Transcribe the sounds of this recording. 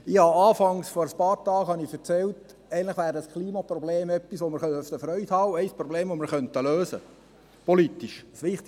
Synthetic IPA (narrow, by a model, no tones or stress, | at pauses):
ɪhɑɑːfɑŋsfɔɾəspɑːɾtɑːkhɑnɪfɛɾt͡sɛlt | ɛɪntləχʋæːɾəəskʰliːmɑpɾɔbleːmɛpːisʋomɪɾχœnəfd̥̪əfɾœʏt̪hɑːwɛɪspɾɔbleːmʋomɪɾχœnt̪əløːsə̰ | pɔlit̪ːiʃsʋɪχt̪